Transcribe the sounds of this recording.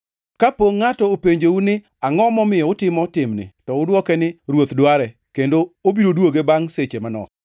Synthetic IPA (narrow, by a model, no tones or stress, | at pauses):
kapoŋːatɔopeɲd͡ʒeunɪ | aŋɔmɔmɪjɔʊtɪmɔtɪmnɪ̰tɔʊdwɔkɛnɪɾwot̪dwaɾɛ | kendoobiɾodwoɡebaŋset͡ʃemanɔ̰